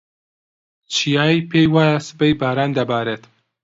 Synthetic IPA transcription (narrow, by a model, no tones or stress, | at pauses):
t͡ʃʰijaːipʰeːjwaːjasɨ̥pejbaːɾaːnd̪ɐbaːɾeːt̪